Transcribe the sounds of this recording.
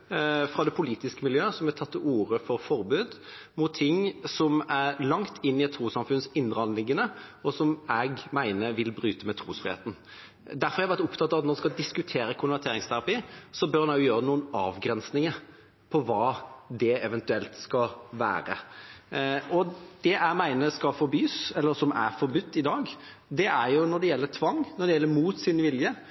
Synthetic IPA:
fɾɑd̪ɛpʰʊliːt̪ɪskəmɪljøːəsɔmɛt̪ʰɑt̪ːuːɾəfɔɾfɔɾbʉːd̪ | mʊt̪ʰːɪŋːsɔmæɾlɑŋt̪ʰɪnːɪɛt̪ʰːɾuːsɑmfʉnsɪnd̪ɾəɑnəlɪŋːənəɔsɔmɛɡmæɪnəɾʋɪlbɾyːt̪əmɛt̪ʰɾuːsfɾɪhḛːt̪n̩ | d̪æɾfɔɾæɪʋæɾt̪ʊpt̪ʰɑt̪ːɑʋɑt̪nɔɾɛnskɑd̪ɪskʉt̪ʰeːɾəkʰʊnʋæʁt̪ʰeːɾɪŋst̪ʰæɾɑpiːsɔbœɾɑnɑʊjʊjøːɾənuːənɑ̰ːʋɡɾɛnsnɪŋəɾ | pʰɔʋɑːd̪ɛɛʋɛnt̪ʉɛlt̪skɑʋæ̰ːɾə̰ | ɔd̪̥ɛʔæmæɪnəskɑfɔɾbyːsɛlːəɾsɔmæ̰ɾfɔɾbʉt̪ʰːɪd̪ɑːɡ | d̪ɛʔæɾjʊnɔd̪ɛjɛlːət̪ʰʋɑŋːnɔɾɖ̪ɛjɛlːəɾmuːt̪sɪnʋɪljə

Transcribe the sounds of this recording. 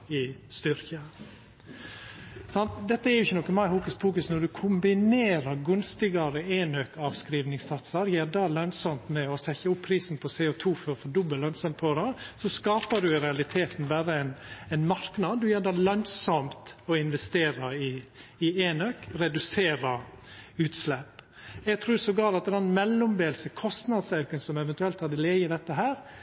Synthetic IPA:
ɪst̪ʏɾkə | sɑnt̪d̪ɛt̪ːəæɾjʊɪçːənɔkːənmæɪhuːkəspʰuːkʉsnɔɖʉkʰʊmbɪneːɾəɾɡʉnst̪ɪɡɑɾəeːnøːkɑʋskɾiːʋnɪŋsɑt̪sɑɾjeːɾd̪ɑlœnsɔmt̪mɛɔsɛçəʊpʰːɾiːsn̩pʰɔseːʊt̪ʰuːfɔɾfɔɖʊbəllœnsɔnpʰɔd̪ɛsɔskɑːpədʉɾɛɑlɪt̪ʰeːt̪n̩bæːɾəɛɪnɛɪnmɑɾknɑd̪d̪ʉjæːdɑːlœnsɔmt̪ɔɪnʋɛst̪eːɾɑɪː | eːnøːkɾɛd̪ʉseːɾɑʉːt̪slɛp | jɛɡ̚t̪ʰɾuːsɔɡɑːlɑt̪ːd̪ɛnmɛlːʊmbeːlsəkʰɔst̪nɑd̪sɑʉkənsɔmɛʋɛnt̪ʉɛlt̪hɑd̪ɪleːjəd̪ɛt̪ːəɦæːɾ

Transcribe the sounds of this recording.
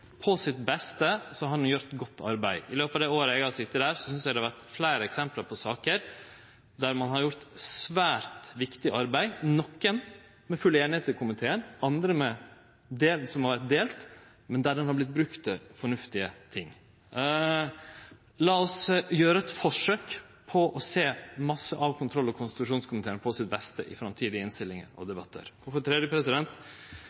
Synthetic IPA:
pʰɔsɪt̪bɛst̪əsɔɦɑɾdɛnjʊɾt̪ɡɔt̪ːɑ̰ɾbæɪɪløːpɑːʋd̪ɛoːɾəɛɡɑsɪt̪ːəd̪æːɾsɔsʏnsd̪æd̪ɛɑʋæɾt̪flæɪɾəɛksɛmplɑɾpʰɔsɑːkəɾ | d̪æɾmɑnɦɑɾjʊɾt̪sʋæːɾt̪ʋɪkt̪ɪʔɑɾbæɪnɔkːən | mɛfʉleːnɪheːt̪ɪkʊmɪt̪ʰeːənɑnd̪ɾəmɛ | d̪eːlsɔmhɑɾʋæɾt̪̚d̪eːlt̪ | mɛnd̪æɖɛnhɑɾblɪt̪̚bɾʉkt̪əfɔɳʉft̪ɪət̪ʰɪŋː | lɑːɔsjøːɾəɛt̪fɔʂøːk | pʰɔʔɔseːmɑsːəʔɑʋkʰʊnt̪ʰɾɔlːɔkʰʊnst̪ʉʂuːnskʰʊmɪt̪ʰeːənəpʰɔsɪt̪̚bɛst̪ə̰ʔɪ̰fɾɑmt̪ʰiːd̪ɪəɪnst̪ɪlːɪŋə̰ɾɔ̰d̪ɛbɑt̪ʰːə̰ɾɔfɔt̪ʰɾɛd̪jəpʰɾɛsɪd̪ɛnt̪

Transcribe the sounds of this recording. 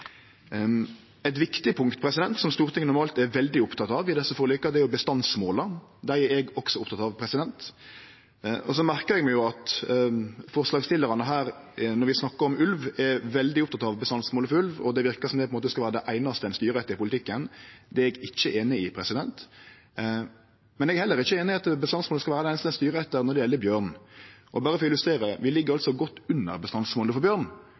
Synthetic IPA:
ɛt̪ʋɪkt̪ɪpʰʊŋkt̪pʰɾɛsɪd̪ɛnt̪sɔmst̪uːɾt̪ʰɪŋːənʊɾmɑːlt̪ɛɾʋɛld̪ɪʊpt̪ʰɑt̪ɑʋɪd̪ɛsːəfɔɾlyːkːɑd̪ɛæɾjʊbəst̪ɑnsmoːləd̪æɪɛɾɛɡɔksɔʊpt̪ʰɑt̪ɑʋpʰɾɛsɪd̪ɛnt̪ | ɔs̬ɔmæɾkəɾɛɡmɛɡjʊɑt̪ | fɔɾslɑːɡst̪ɪlːəɾɑnəɦæːɾ | nɔɾʋɪsnɑkːəɾɔmʉlʋɛɾʋɛld̪ɪʊp̚t̪ʰɑt̪ɑʋbəst̪ɑnsmoːləfɔʉlʋɔ̰d̪ɛʋɪʁkəsɔmd̪ɛpʰɔnmoːt̪əskɑʋæːɾəd̪ɛʔæɪnɑst̪əɛnst̪yːɾɛt̪ːəɾɪpʰʊlɪɪkːənd̪ɛɛɡɪçːəʔeːnɪɪpʰɾɛsɪd̪ɛnt̪ | mɛnɛɡɛɾhɛlːəɾɪçːəeːnɪɑt̪bəst̪ɑnsmoːləskɑʋæːɾd̪æɪnst̪əɛnst̪yːɾəɛt̪ːəɾnɔʁd̪ɛjɛlːəbjøːʁnʔɔbɑːɾəfɾɔɪlʉst̪ɾeːɾəʋɪlɪɡːəɾɑlsɔɡɔt̪ːʉnːə̰ɾbəst̪ɑnsmoːləfɔɾbjøːɾn

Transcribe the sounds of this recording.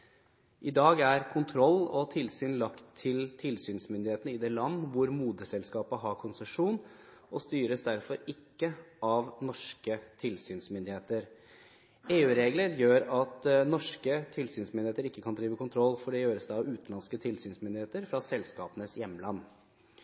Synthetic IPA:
ʔɪd̪ɑːɡæɾkʰʊnt̪ʰɾɔlːɔt̪ʰɪlsyːnlɑkt̪ʰːɪlt̪ʰɪlsyːnsmʏnd̪ɪheːt̪ənəɪd̪ɛːlɑnːʋʊɾmuːd̪əsɛlskɑːpəɦɑɾkʰʊnsəʂuːn | ʔɔst̪yːɾəsd̪æɾfɔɾɪkːəʔɑʋnɔʂkət̪ʰɪlsyːnsmʏnd̪ɪheːt̪əɾ | eːʉːɾeːɡləɾjøːɾɑt̪nɔʂkət̪ʰɪlsyːnsmʏnd̪ɪeːt̪əɾɪkːəkʰɑnd̪ɾiːʋəkʊnt̪ʰɾɔlːfɔɖɛjøːɾəsd̪ɛɑʋʉːt̪ɑnskət̪ʰɪlsyːnsmʏnd̪ɪheːt̪əɾfɾɑsɛlskɑːpənəsjɛmːəlɑnː

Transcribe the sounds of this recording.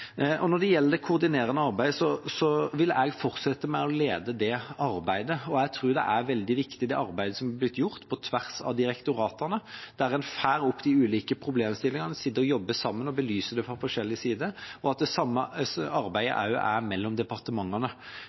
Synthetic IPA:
ʔɔnɔɖ̪ɛjɛlːəd̪ɛkʰʊʁd̪ɪneːɾənəɑʁbæɪd̪sɔsɔʋɪlɛɡfɔɾt̪sɛt̪ːəmæɪɔleːd̪əd̪ɛɑɾbæɪd̪əɔɛɡt̪ʰɾʉːɾd̪ɛ̰ʔæɾʋɛld̪ɪʋɪkt̪ɪd̪ɛʔɑɾbæɪd̪əsɔmæblɪt̪ːjʊʁt̪pʰɔt̪ʰʋæʁsɑ̰ʋd̪ɪɾɛkt̪ʊɾɑːt̪ənəd̪̥æɾɛnfæːɾʊpːd̪ɪʉːliːkəpʰɾʊbleːmst̪ɪlːɪŋɑnəsɪd̪əɔjɔbːəsɑmːənɔbəlyːsəd̪ɛfɔfɔʂɛlːɪsiːd̪əɔɑt̪̚d̪ɛsɑmːəɑɾbæɪə̰ʔɑ̰ʉ̰ʔæɾmɛlːɔmd̪ɛpɑʁt̪əmɑŋːɑnə

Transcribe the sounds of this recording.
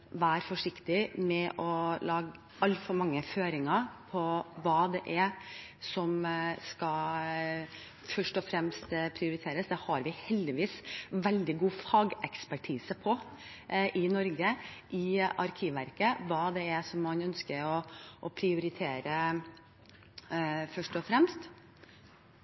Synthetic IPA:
ʋæːɾfɔʂɪkt̪ɪmɛʔɔlɑːɡ | ɑlfɔɾmɑŋːəføːɾɪŋɑpʰɔʋɑːd̪ɛʔɛ | sɔmskɑ | fœʂʈɔfɾɛmst̪pʰɾɪʊɾɪt̪ʰeːɾəsd̪ɛhɑɾʋɪhɛld̪ɪʋiːsʋɛld̪ɪɡuːfɑːɡɛkspæʈʰiːsəpʰɔ | ʔɪnɔɾɡəʔɪʔɑɾkʰiːʋæ̰ɾkəʋɑːd̪ɛɛsɔmːɑnœnskəɾɔʔɔpʰɾɪʊɾɪt̪ʰeːɾə | fœʂʈɔfɾɛmst̪

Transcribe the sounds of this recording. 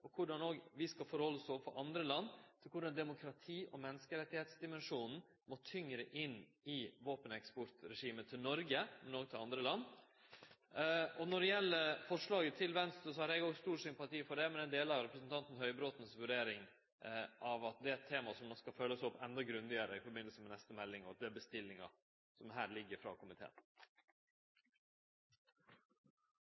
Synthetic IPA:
ʔɔkʰʊɖɑnoːɡʋɪskɑfɔɾhɔlːəsɔːʋfɔɾʔɑnd̪ɾəlɑnːt̪ʰɪlkʰʊɖɑnd̪ɛmʊkʰɾɑt̪ʰiːʔɔmɛnːəskəɾɛt̪ːɪheːt̪sd̪ɪmɛnʂuːnn̩ | mɔt̪ʰʏŋɾəʔɪn | ɪʋoːpənɛkspɔɾt̪ɾɛʂiːmət̪ʰɪlnɔɾɡəmɛnoːɡ̚t̪ʰɪlɑnd̪ɾəlɑnː | ɔnɔɖɛjɛlːəɾfɔʂɭɑːɡət̪ʰɪlʋɛnst̪ɾəsɔhɑɾɛɡoːɡst̪uːɾsʏmpɑt̪ʰiːfɔɖɛmɛnɛnd̪eːlɑʋɾɛpɾəsn̩t̪ʰɑnt̪n̩hœʏbɾoːt̪n̩sʋʉɖeːɾɪŋ | ʔɑʋɑt̪̚d̪ɛæt̪ʰːeːmɑsɔmnɔskɑføːləsɔpːɛnd̪ɑɡɾʉnd̪ɪəɾəɪfɔɾbɪnlsəmɛnɛst̪əmɛlːɪŋɔɑt̪̚d̪ɛæbəst̪ɪlːɪŋɑ̰ | sɔmɦæːɾlɪɡːəɾfɾɑ̰ːkʰʊmɪt̪ʰḛːn

